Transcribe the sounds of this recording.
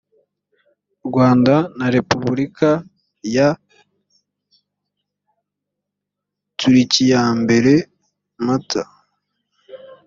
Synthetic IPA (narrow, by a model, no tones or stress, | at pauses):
uɾɡwaːndanaɾe̞puβuɾika | ja | tʰuɾicijaːmbe̞ɾe̞ | mata